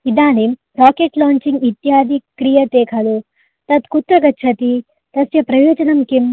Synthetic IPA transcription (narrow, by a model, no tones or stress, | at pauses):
id̪aːnem | ɾaːkeʈlaːɲt͡ʃiŋɡit̪jaːd̪ʱikɾijɐt̪eːkʰɐlu | t̪ɐt̪kut̪ɾɐɡɐːt͡ʃʰɐt̪i | t̪ɐsjɐpɾɐjoːd͡ʒɐnɐmkim